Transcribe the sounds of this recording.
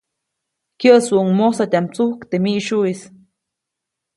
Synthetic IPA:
kjəsuʔuŋmosat̪ʲamt͡suhkt̪emiʔʃuis

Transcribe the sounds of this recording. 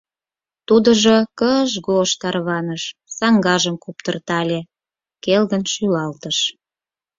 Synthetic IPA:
t̪ud̪ə̆ʒokəʒɣoʃt̪ɑrβɑnəʃsɑŋɡɑʒəmkupt̪ərt̪ɑlʲe | kelɣənʃylɑlt̪əʃ

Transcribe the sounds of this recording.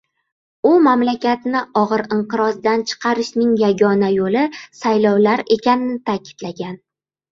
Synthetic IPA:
ʊmamlakʲat̪nɪɒʁɨɾɪɴqɨɾɒzd̪ant͡ʃʰɨ̥qʰɑɾɪʃnɪŋjaɡʲɒnajolɪsajlɒwlaɾe̞kʲʰanɪnɪt̪ʰakʲɪ̥d̪̥laɡʲan

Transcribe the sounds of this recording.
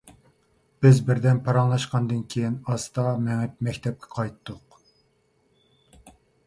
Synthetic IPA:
b̥ɪzbɪɾd̪ɛnpʰɑɾɑŋlˠɑʃqɑnd̪ɨnkʲʰejinɑst̪ɑmɛŋɛp̚mɛkʲt̪ʰɛp̚kʲʰɛ̥qʰɑjt̪ʰːʊq

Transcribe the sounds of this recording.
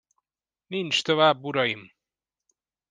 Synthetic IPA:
nint͡ʃt̪ovaːbːuɾɒjim

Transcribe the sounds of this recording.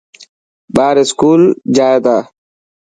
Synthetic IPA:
ɓaːɾiskuːld͡ʑaːjed̪aː

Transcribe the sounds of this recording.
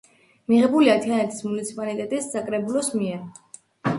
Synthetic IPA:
miʁɛbuliat̪ʰianɛt̪ʰi̥smunit̪sʰi̥pʼalit̪ʼɛt̪ʼisːakʼɾɛbulɔsmiɛɾ

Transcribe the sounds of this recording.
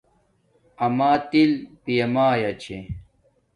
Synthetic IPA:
ɐmaːt̪ilpijɐmaːjɐt͡ɕʰḛ

